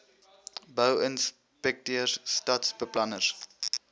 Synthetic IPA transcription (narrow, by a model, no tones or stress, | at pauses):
bəwəns | pɛk̚tiərstɐtsbəplɐnəs